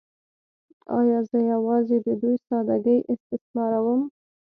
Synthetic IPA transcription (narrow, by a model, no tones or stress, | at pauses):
ɑ̰jɑzəjawɑzed̪əd̪ujsɑd̪aɡəjʔɪst̪ɪsmɑɾawəm